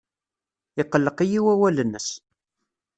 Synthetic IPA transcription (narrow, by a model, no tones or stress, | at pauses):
ɪqːəlːəqijiwæwælənːəs